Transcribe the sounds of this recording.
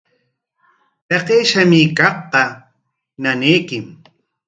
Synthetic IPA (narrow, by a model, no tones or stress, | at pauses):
p̪eqeːʃamɪkɑχqɑ | naneːkɪm